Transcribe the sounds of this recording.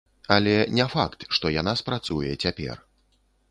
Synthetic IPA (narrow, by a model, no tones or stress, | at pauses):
ɐlʲɛnʲɛfakt̪ʂt̪ɔjanaspɾat̪sujɛt͡sʲapʲɛ̰r